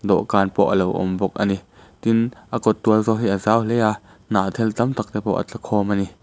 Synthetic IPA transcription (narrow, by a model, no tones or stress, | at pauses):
d̪ɔ̰ʔkaːnpɔʔəlowʔɔ̰mbɔk̚ʔani | t̪inʔakɔt̪̚ːuəlzɔɦiʔazawlɛa | naːʔt̪ʰɛlt̪ɐmt̪ak̚t̪ɛpɔʔa̰t͡ɬakʰɔːmani